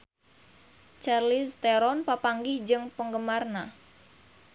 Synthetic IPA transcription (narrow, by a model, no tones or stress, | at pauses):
t͡ʃarlist̪eɾɔnpapaŋɡɪhd͡ʒɨŋpəŋɡəmarna